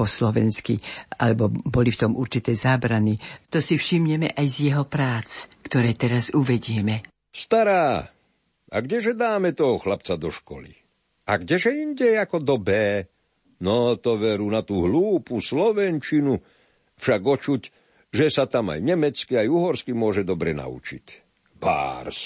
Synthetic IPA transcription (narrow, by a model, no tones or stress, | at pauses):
ɔslɔʋɛnskialɛbɔbɔlift̪ɔmʔuɾt͡ʃit̪ɛːzaːbɾanit̪ɔsifʃimɲɛmɛ̰ʔajzjɛɦɔpɾaːt͡skt̪ɔɾɛːt̪ɛɾazuʋɛɟɪɛmɛ | st̪aɾaː | a̰ɡɟɛʒɛd̪aːmɛt̪ɔɦɔxlap̚t͡sad̪ɔʃkɔ̰lḭ | aɡɟɛʒɛinɟɛakɔd̪ɔbɛː | nɔt̪ɔʋɛɾuːnat̪uːɦluːpuslɔʋɛnt͡ʃinu | fʃaɡɔt͡ʃuc | ʒɛsat̪ama̰jɲɛmɛt͡skiajuɦɔɾskimʊɔʒɛd̪ɔbɾɛna̰ṵt͡ʃḭc | b̥a̰ːɾs